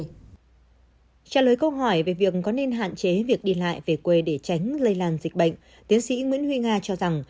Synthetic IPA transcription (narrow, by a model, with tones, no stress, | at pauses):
t͡ɕaː˧˩ləː˨˩˦jkə˧wɦɔ˧˩jve˨˩vi˨˩ək̚kɔ˨˦ne˧nɦa̰ː˧˨nt͡ɕe˨˦vi˨˩ək̚ɗi˧la̰ː˧˨jve˨˩kwe˧˩ɗe˧˩t͡ɕa˨˦jŋ̟zə˧jlaː˧nzi˨˩k̚ɓə̰˧˨ŋ̟ | t̪i˨˦ənsḭ˧˥ŋwḭ˧˥ənhwi˧ŋaː˧t͡ɕɔ˧za˨˩ŋ